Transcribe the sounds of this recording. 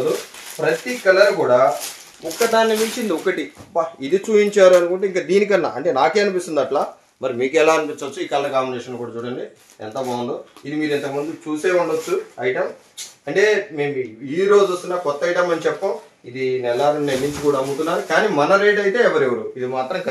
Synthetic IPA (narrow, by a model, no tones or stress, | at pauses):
d̪upɾɐt̪ikɐlɐɾkuːɽaː | ɔkːɐt̪aːnːɐmiɲt͡ʃind̪iɔkɐʈibɐid̪it͡ʃuːjiɲt͡ʃaːɾuɐnukuɳʈeːiŋkaːd̪iːnik̬ɐnːa̰ːɐɳʈe̞ːnaːke̞ːɐnipist̪und̪ɐʈlaː | mɐɾimiːkɛlaːɐnipint͡ʃɐt͡ʃːuiːkɐlːɐkaːmbineːʂɐnlkuːɽaːt͡ʃuːɽɐɳɖi | ɛ̰nt̪ɐbaːund̪oid̪imiːɾɛnt̪ɐkɐmund̪ut͡ʃuːseːuɳɖɐt͡ʃːuɐjiʈɐm | ɐɳʈe̞ːme̞ːmiɾo̞ːd͡ʒuost̪unːaːkɔt̪ːɐjʈɐmɐnit͡ʃɛpːɐm | id̪inɛlːaːɾɐnnenːiɲt͡ʃikuːɽaɐɡut̪unːaːɾukaːniːmɐnɐɾeːɖɐjt̪e̞ːɛʋɐɾeʋɐɾuid̪imaːt̪ɾɐmk